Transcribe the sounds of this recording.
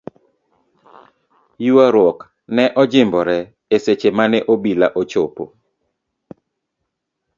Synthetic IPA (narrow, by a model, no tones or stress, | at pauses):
juaɾwɔk | nɛʔɔd͡ʒɪmbɔɾɛ | eset͡ʃemanɛʔobilaʔot͡ʃopo̰